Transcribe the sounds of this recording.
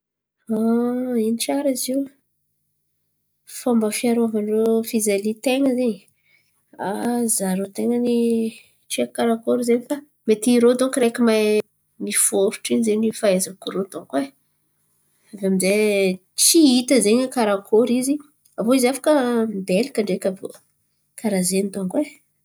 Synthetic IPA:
ainiʈ͡ʂaɾiziw | fambəfiaɾavanirofizelit̪eŋəzeɲi | a̰zaɾot̪eŋəni | t͡ʃiakaɾakoɾizeɲifa | met̪iɾod̪oŋkiɾekimaj | nifuofu̥ʈ͡ʂiɲzeɲifaezakuɾot̪oŋkwe | avamize | t͡siit̪əzeɲakaɾakʰoɾizi | avoizafḁkəmbelikəɳɖ͡ʐekʲavo̰ | kʰaɾazenit̪oŋkwe

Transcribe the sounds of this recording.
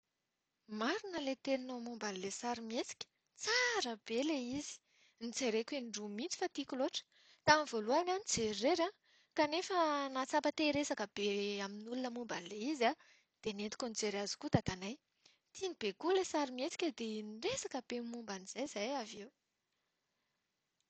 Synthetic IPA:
maɾunəlet̪eninomumbanlesaɾimiet͡si̥kʲə̥ | t͡saɾəb̥eleizi̥ | nit͡seɾekenɳɖ͡ʐumit͡si̥fat̪ikʲuloʈ͡ʂə̥ | t̪amvoluananit͡sereɾa | kanefənat͡sapət̪eɾesakəb̥eaminulunəmumbanleiza | d̪̥enet̪i̥kʲonit͡seɾazi̥kut̪at̪anaj | t̪inib̥ekulesaɾimet͡si̥kʲəd̪eniresakəb̥emumbaniz̥ajz̥ajavew

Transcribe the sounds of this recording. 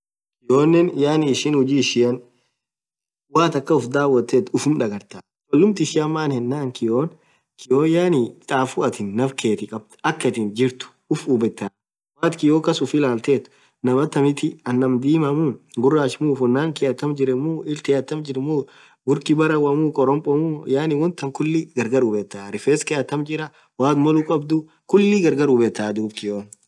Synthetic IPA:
kɪjoːnːɛnjaːnɪːʃɪnhʊd͡ʒiːɪʃɪjɐn | waːt̪ɐkːɐʊfd̪aːwːɐt̪ːeːt̪ʊfʊmᶑɐɡɐɾt̪a | kʼɔlːʊmt̪ɪʃɪɐmːaːnhɛnːaːŋkɪjoːn | kɪjoːjaːnɪt̪ʼaːfʊɐt̪ɪnːɐfkʰe̞ːt̪ɪkʼɐb̚t̪ɐkːɐt̪ɪnd͡ʒɪɾt̪ʊ̥ | ʊfubɛt̪ːa | waːt̪kɪjoːkɐsʊfɪlaːlt̪eːt̪ʊ̥ | nɐmɐt̪ːɐmɪt̪ɪɐnːɐmd̪iːmɐmuːɡʊrːaːʃmuːfʊnːaːŋkɪjɐt̪ːɐmd͡ʒɪɾɛmuːɪlt̪ɪjɐt̪ːɐmd͡ʒɪɾmuː | ɡʊɾkɪbɐɾɐwɐmuːkʼɔɾɔmpʼɔmujaːnɪwɔnt̪ːɐmkʊlːiɡɐɾɡɐɾʊbɛt̪ːaːɾɪfeːskɪjɐt̪ːɐmd͡ʒɪɾɐ | waːt̪mɔlʊkʼɐbd̪ʊ | kʊlːiɡɐɾɡɐɾubɛt̪ːaːd̪uːbkɪjoːn

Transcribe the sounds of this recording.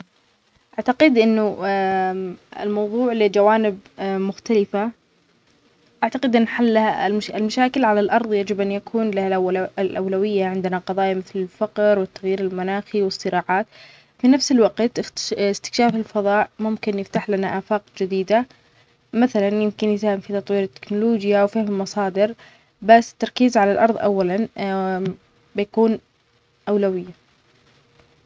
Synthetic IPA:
ʔaʕt̪aqɪd̪ʔɪnːʊ | ɪ̰lmɑwðˤuːʕlɪd͡ʒawaːnɪbmʊxt̪alɪfa | ʔaʕt̪aqɪd̪ʔɪnːħalːaha̰ɪlmaʃaːkɪlʕalalʔɑɾˤðˤjad͡ʒɪbʔanjakʰuːnlahalʔawlawɪjːaʕɪnd̪ɪnaqɑðˤɑːjamɪθlɪlfɑqɾwɪt̪ːaɣjiːɾɪlmanaːxiwɨsˤːɨɾɑːʕaːt̪ | finafsɪlwaqt̪ɪst̪ɪ̥kʃaːfɪlfɑðˤɑːʔmʊmkɪnjɪft̪aħlanaʔaːfaːqd͡ʒɪd̪iːd̪a | maθalanjɪmkɪnjɪt̪ːhamfit̪ɑt̪ˤwiːɾɪt̪ːɪ̥knʊloːd͡ʒjawfɪhmɪlmɑsˤɑːd̪ɪɾ | basːɪ̥t̪ːɑɾˤkiːzʕalalʔɑɾˤðˤʔa̰wːalan | bɪjakuːn | ʔawlawɪjːa

